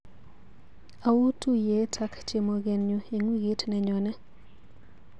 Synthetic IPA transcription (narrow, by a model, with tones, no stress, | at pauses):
a˨wu˦tu˦je˨˦tʰa˦kt͡ʃe˦mo˨ɡe˨nɲu˦e˨ŋwi˦ɡi˦tnɛ˨ɲɔ˨nɛ˦